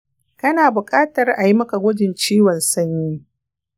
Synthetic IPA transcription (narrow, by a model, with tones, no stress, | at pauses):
kɐ˦naː˨bʊ˨kʼaː˦tɐ˨rʔa˨ji˦mɐ˦ka˨ɡʷʊ˦d͡ʒɪ˨nt͡ʃiː˦wɔ˨nsɐ˦ɲjiː˦